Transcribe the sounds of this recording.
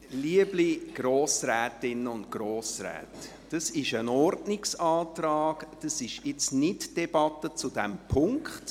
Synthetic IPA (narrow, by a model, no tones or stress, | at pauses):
liəbliɡ̥ɾoːsɾɛːtɪnəʊntɡ̥ɾoːsɾɛ̰ːt | d̥əsɪʃənɔɾdnɪksɑːt̪rɑːkd̥əsɪʃɪt͡snɪtd̥ɛb̥ɑtət͡sud̥ɛmpʰʊŋkχt